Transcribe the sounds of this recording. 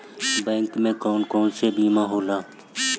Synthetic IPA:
bɛ̃ːŋkmẽkɔːnkɔːnsebiːmaɦoːlaː

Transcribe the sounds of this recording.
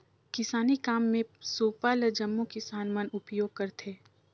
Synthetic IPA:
kɪsaːnikaːmːẽsoːpaləd͡ʒɐmːukisaːnmanʊpjoːɡ̚kɐɾt̪ʰeː

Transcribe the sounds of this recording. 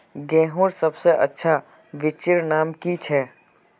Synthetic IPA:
ɡɛ̃ːɦoɾsɐbseʔɐ̰tːʃʰa | ʋɪt͡ʃɪɾnaːmkit͡ʃʰɛː

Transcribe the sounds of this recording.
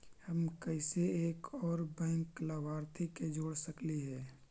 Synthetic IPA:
həmkəɪseeːkɔːɾbɛ̃ːŋklabaːɾt̪ʰiked͡ʒoːɽsəkliɦɛː

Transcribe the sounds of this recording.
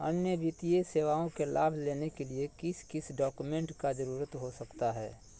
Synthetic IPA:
ənjəʋit̪ieseːʋaːõkelʔaːbʱleːnekeliekɪskɪsɖaːkumẽɳʈkad͡ʒɐɾuːɾət̪ɦosɐkt̪aɦɛ̰ː

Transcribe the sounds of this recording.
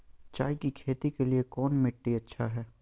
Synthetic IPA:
t͡ʃaːikikʰeːt̪ikeliekɔːnmɪʈːiɐtːʃʰaɦɛː

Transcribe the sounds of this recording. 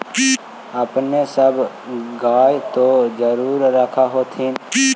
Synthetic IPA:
əpnesəb | ɡaːjt̪od͡ʒəɾuːɾːəkʰaɦoːt̪ʰiːn

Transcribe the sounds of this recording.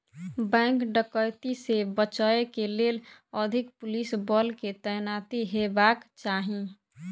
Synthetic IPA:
bɛ̃ːŋkɖəkəjt̪isebət͡ʃaekeleːləd̪ʱɪkpʊlisbɔːlket̪ɛjnaːt̪iɦebaːkt͡ʃaːɦĩ

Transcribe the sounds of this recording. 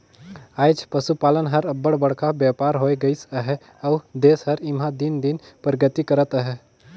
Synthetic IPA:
aːjd͡ʒpəsupaːlənɦəɾɐbːəɽbəɽkʰabjaːpaːɾɦoːeɡəisəɦɛ | əːd̪eːsɦɐɾɪmɦãd̪ɪnd̪ɪn | pɾəɡət̪ikəɾət̪əɦɛ

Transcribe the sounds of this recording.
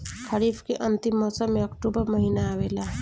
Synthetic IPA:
kʰɐɾiːpʰkeʔɐnt̪imːɔːsəmːeɐkʈubəɾmɐɦiːnaːʋela

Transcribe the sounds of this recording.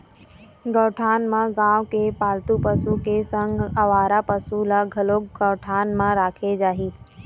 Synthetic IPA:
ɡəʈʰaːnmãɡãːʋkepaːlt̪upəsukesə̃ŋɡɐʋaːɾapəsulaɡʱɐloːkɡəʋʈʰaːnmãɾaːkʰed͡ʒaːɦiː

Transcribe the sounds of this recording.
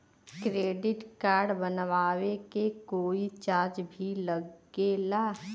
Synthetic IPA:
kɾeːɖɪʈkaːɾɖbənʋaːwekekoːit͡ʃaːɾd͡ʒbʱiləɡelaː

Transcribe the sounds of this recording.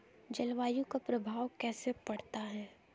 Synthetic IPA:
d͡ʒɐlʋaːjũkapɾɐbʱaːʋkɛːsepɐɽt̪aɦɛː

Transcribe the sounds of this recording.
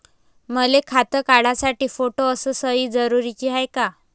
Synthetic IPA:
məlekʰat̪əkaɽasaʈiːfoʈoəsəːsəiːd͡zəɾuɾit͡ɕiɦajka

